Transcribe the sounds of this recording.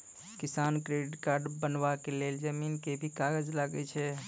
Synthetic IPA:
kisankɾeɖiʈkaɾɖbənbakeleld͡ʒəminkebʱikaɡəd͡ʒlaɡɛt͡ʃʰɛ

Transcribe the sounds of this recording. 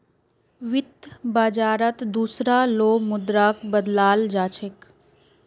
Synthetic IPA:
ʋɪt̪baːd͡ʒaːɾət̪d̪uːsɾaloːmʊd̪ɾaːkbəd̪laːld͡ʒaːt͡ʃʰɪk

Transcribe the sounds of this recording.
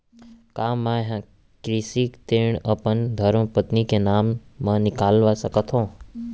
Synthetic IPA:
kamːãɦã | kɾisikt̪eɳəpənd̪ʱəɾməpət̪nikenamːãnɪkalʋasəkət̪ʰõ

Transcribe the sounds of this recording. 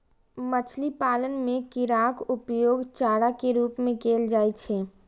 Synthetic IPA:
mət͡ʃʰlipaːlənmẽkɪɾakʊpjoːɡt͡ʃaːɽakeɾuːpmẽkeːld͡ʒaːjt͡ʃʰɛ

